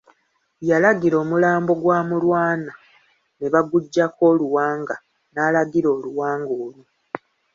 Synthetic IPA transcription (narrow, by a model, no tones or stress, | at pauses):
jalaɡiɾo̞ːmulaːmbo̞ɡwaːmulwaːna | neβaɡuɟːako̞ːluwaːŋɡa | naːlaɡiɾo̞ːluwaːŋɡoːlu